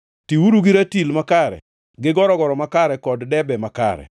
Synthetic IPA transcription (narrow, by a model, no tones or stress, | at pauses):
tiwuɾuɡiɾatilmakaɾɛ̰ | ɡɪɡɔɾɔɡɔɾɔmakaɾɛkɔddɛbɛmaka̰ɾɛ̰